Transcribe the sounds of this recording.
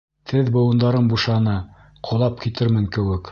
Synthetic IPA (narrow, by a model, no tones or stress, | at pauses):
t̪ʰɘðbŏwɤ̆nd̪ɑɾɤmbuʃɑnɤ | qʰŏlˠɑp̚kit̪ɘɾmɘŋkɘ̆wɘk